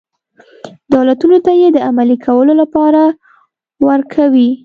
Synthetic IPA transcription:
d̪awlat̪unot̪ajed̪əamalikʰawəlolapɑɾa | wəɾkʰawi

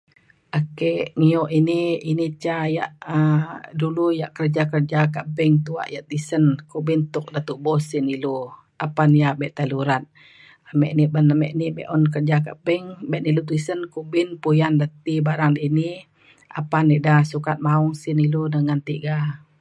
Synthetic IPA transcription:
ʔakɛʔŋiɔʔiniinit͡ʃajaʔəduluja̰ʔkərd͡ʒakərd͡ʒakaʔbɛŋt̪ua̰ʔjaʔt̪isənkubint̪ʊk̚dat̪uʔbɔsinilu | apanjabɛʔt̪aluɾat̪̚ | amɛʔnibənamɛ̰ʔnibɛ̰ʔɔnk̬ərd͡ʒaka̰ʔbɛŋbɛʔnilut̪̬isənkubinpujandat̪ibaɾaŋdiini | ʔa̰panːiʔdasukat̪̚mauŋsiniludəŋant̪iʔɡa

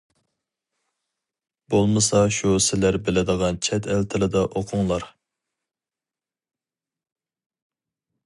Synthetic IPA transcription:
b̥olˠmɨsɑʃusɪlæɾbɪlɪd̪əʁɑnt͡ʃʰɛt̪ʰælt̪ʰɪlɪd̪ɑʔoqʰʊŋlˠɑɾ

